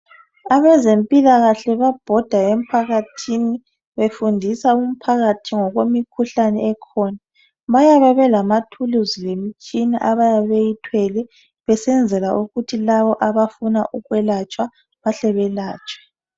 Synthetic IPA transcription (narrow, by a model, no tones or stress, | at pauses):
aβɛzempʼilaɣaɬɛβab̥ʱɔd̥ʱaem̩pʰaɣatʰini | βefundʱisaum̩pʰaɣatʰiŋɔɣwemikʰuɬanɛɛkʰɔːna | βajaβɛβɛlamatʰuluzilemit͡ʃʼiniʔaβajaβejitʰwɛlɛ | βɛsɛnd͡zʱɛlaʔuɣutʰilaβɔʔaβafunaʔuɣwɛlat͡ʃʼwa | βaɬɛβɛlaːt͡ʃʼwɛ̥